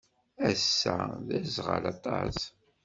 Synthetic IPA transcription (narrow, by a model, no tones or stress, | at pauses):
æsːæðæzʁə̰lɑt̪ˤɑs